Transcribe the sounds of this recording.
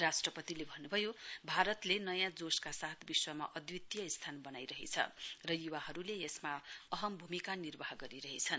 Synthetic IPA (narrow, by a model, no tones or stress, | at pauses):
rasʈrʌpʌt̪ilebʱʌnːubʱʌjobʱaɾʌt̪lenʌjãd͡zoskasat̪ʰbiswʌma̰ʔʌd̪jit̪ːijʌist̪ʰanbʌnajɾʌɦḛt͡sʰʌ̰rʌjuwaɦʌɾuleesmaʌɦʌmbʱumikanirbʌɦɡʌɾiɾʌɦet͡sʰʌn